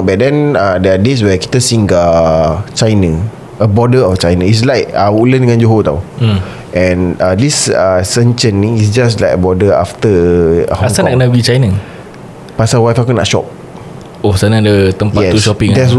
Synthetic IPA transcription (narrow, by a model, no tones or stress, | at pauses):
bɛdɛ̃nadɛades̬wɛki̥t̪əsĩŋkat͡ʃajnə | əbɔdəɔft͡ʃajnə̃is̬lajkauləndəŋãnd͡ʒoɦot̪a̰w | ʔɛ̃nadisasə̃nt͡ʃə̃nːĩisd͡ʒaslajkəbɔdəa̰ft̪əhasannaʔkənaəɡit͡ʃajnə | pasawajfakuna̰ʔʃɔ̰p̚ | osanadət̪əmpaɛsuʃɔpĩŋdɛs̬